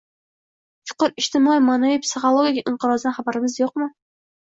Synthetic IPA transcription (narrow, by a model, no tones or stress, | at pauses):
t͡ʃʰʊ̥qʊɾɪʃt̪ɪmɑijmanavipsɨχolˠoɡʲikʲʔɪɴqɨɾɑzd̪anχabaɾɪmɪzjoq̚mɨ